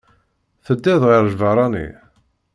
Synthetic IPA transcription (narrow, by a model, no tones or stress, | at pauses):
θəd̪ːæðʁiɾʒvɑɾˤɑnḭ